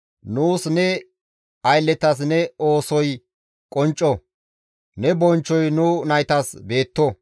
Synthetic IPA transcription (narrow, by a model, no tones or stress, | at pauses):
nuːsnɛ | ɐjlːɛt̪ɐs̬nɛoːsɔj | kʼɔnt͡ʃʼːɔ | nɛbɔnt͡ʃːɔjnunɐjt̪ɐsbe̞ːt̪ːɔ